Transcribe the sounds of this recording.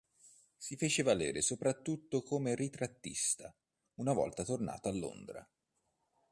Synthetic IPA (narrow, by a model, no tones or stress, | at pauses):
sifeːt͡ʃevalḛːɾesopɾat̪ːut̪ːokomerit̪ɾat̪ːist̪a | unavɔ̰lt̪at̪orna̰ːt̪oalːo̰nd̪ɾa̰